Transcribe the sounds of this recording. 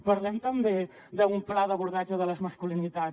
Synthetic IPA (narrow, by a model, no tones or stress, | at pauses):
pəɾlɛmt̪əmbe | d̪əumplaðəβuɾðad͡ʒəðələzməskulinit̪a